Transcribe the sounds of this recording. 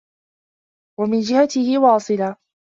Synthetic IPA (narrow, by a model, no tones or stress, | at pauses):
wamɪnd͡ʒɪhat̪ɪhɪwɑːsˤɨla